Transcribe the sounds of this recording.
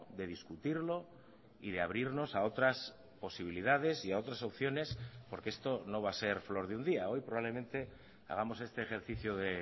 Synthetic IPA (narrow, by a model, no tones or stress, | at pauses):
ðe̞ðiskut̪iɾlo̞ | iðe̞aβ̞ɾiɾno̞sao̞t̪ɾas | po̞siβ̞iliðaðe̞siao̞t̪ɾaso̞pθjo̞ne̞spo̞ɾkee̞st̪o̞no̞β̞ase̞ɾflo̞ɾðeund̪iao̞jpɾo̞βaβle̞mẽ̞nt̪e̞ | a̰ɣ̞amo̞se̞st̪e̞ːxe̞ɾθiθjoðe̞